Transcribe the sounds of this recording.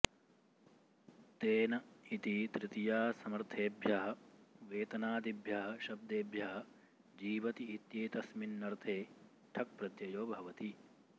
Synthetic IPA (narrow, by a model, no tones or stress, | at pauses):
t̪eːnɐit̪it̪ɾɪt̪ijaːsɐmɐɾt̪ʰeːbʱjɐɦɐ̆ʋeːt̪ɐnaːd̪ibʱjɐɦɐ̆ʃɐb̚d̪eːbʱjɐɦɐ̆ | d͡ʒiːʋɐt̪iit̪jeːt̪ɐsminːɐɾt̪ʰeː | ʈʰɐk̚pɾɐd̪jɐjoːbʱɐʋɐt̪i